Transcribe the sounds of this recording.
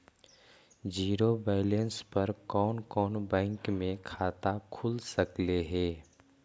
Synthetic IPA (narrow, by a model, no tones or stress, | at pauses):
d͡ʒiːɾobɛːɪlənspɐɾkɔːnkɔːnbɛ̃ːŋkmẽkʰaːt̪akʰʊlsɐkleɦɛː